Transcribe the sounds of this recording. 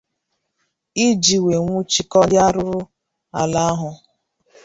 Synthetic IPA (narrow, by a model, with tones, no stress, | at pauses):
i˦d͡ʒi˨we˨ŋʷu˦t͡ʃi˦kɔ˦dja˦ɾʊ˦ɾʊ˦ | a̰˨la˦a˦ɦʊ˧